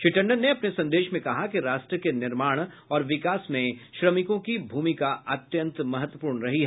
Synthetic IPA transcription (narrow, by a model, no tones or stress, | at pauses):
ʃɪʈə̃ɳɖənːeɐpnesɐ̃nd̪eːʃmẽkɐɦakiɾaːʃʈɾəkenɪɾmaːɽ̃ | ɔːɾʋɪkaːsmẽʃɾɐmɪkõkibʱuːmikaɐt̪jə̃nt̪mɐɦət̪wəpuːɾɳɾɐɦiɦɛ